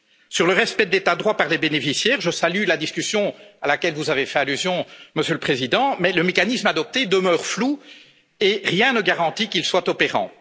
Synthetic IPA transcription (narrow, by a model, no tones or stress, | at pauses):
syʁləʁɛspɛd̪et̪ad̪ʁwapaʁlebenefisjɛːʁʒəsalylad̪iskʲysjɔ̃alakʲɛlvuzavefɛalyzjɔ̃məsjøləpχezid̪ɑ̃mɛləmekanismad̪ɔp̚t̪ed̪əmœːʁflu | eʁjɛ̃nəɡaʁɑ̃t̪ikilswat̪ɔpeʁɑ̰̃